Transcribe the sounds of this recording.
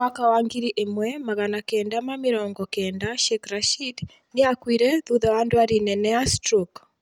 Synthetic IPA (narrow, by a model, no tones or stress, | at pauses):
akawaŋɡiɾiʔemwɛmaɣanakɛːndamamɪɾɔːŋɡɔkɛːndaʃekɾaʃid | neakwiɾɛðuðɛwaːndwaɾinɛnɛastɾɔk